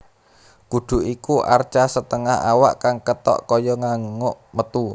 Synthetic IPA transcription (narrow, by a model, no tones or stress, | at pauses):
ɡ̥ud̪̥ṳʔikuʔart͡ʃasət̪əŋaha̰wa̰ʔkaŋkət̪ɔ̰ʔkɔjɔŋaŋŋoʔmət̪u